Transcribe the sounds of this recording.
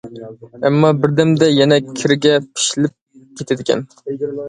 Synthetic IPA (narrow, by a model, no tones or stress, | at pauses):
ɛmːɑbɪɾd̪æmd̪ɛjɛnɛkʲʰɪɾɡʲɛpʰɪ̥ʃlɪp̚ | kʲʰet̪ʰɪd̪ɪkʲʰɛ̰n